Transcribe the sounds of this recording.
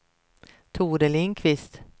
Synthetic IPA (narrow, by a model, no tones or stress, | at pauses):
t̪ʰuːɾɛlɪŋkʰvɪst̪